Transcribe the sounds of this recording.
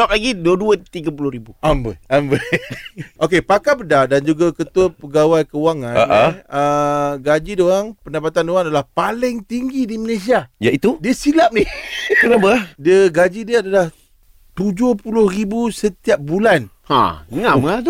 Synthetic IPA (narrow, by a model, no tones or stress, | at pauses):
ap̚laɡiduəduət̪iɡapulʊhɾibuʔambəambə | ʔokepakabədadand͡ʒuɡakət̪uəpəɡawajkəwaŋãa̰ʔəɡad͡ʒidoaŋpəndapat̪andoaŋadalahpalɪŋt̪iŋɡidiməles̬iaja̰it̪udiəsilap̚nɪkənabədəɡad͡ʒidiəadalah | t̪ud͡ʒohpulʊhribusət̪iap̚bulanhã̰əŋãmat̪o